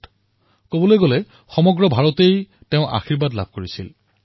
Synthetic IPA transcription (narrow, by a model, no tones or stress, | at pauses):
kobɔlojɡolɛ | xɔmɔɡɹɔbʱaɹɔtej | teʊ̃ʔa̰xiɹbadla̰bʱkoɹisil